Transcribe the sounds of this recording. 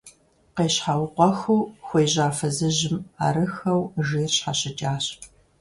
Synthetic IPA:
qeːɕħawqʷɔxuːxʷejʑaːfɐzɨʑɪma̰ɾɨxɐwʒiːrɕħaɕɪt͡ʃʼaːɕ

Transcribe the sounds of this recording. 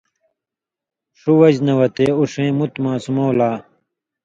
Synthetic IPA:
ʂuwɐd͡ʑnɐwɐt̪eːuʂẽːmut̪mãːsumowlaː

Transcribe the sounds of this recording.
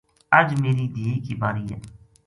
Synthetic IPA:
əd͡ʒmeːɾiːd̪iːkiːbaːɾiːɦɛ̰ː

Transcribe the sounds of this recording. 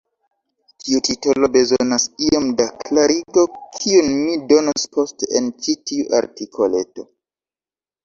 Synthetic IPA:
tʰiutitolo̞be̞zonasiamdaklaɾiɡo̞kʰiunmido̞nospʰo̞steent͡ʃitiuʔa̰ɾtikʰo̞le̞to̞

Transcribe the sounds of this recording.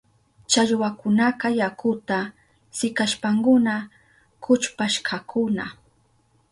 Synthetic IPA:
t͡ʃaʎwakʊnakajakʊt̪a | sɪkaʃpaŋkʊna | kʊt͡ʃpaʃkʰakʰʊna

